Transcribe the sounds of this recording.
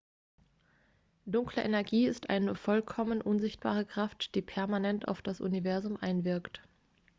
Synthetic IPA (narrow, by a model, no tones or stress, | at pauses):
d̥ʊŋkləʔenɛɐɡiːɪstʔa̰ɪnəfɔlkʰɔmənʔʊnzɪçt̚b̥a̰ːʁ̞əkʁ̥aftd̥iːpʰɛɐmanɛntʰa̰ʊfd̥asʔʊ̰nivɛɐzʊmʔaɪnvɪɐkt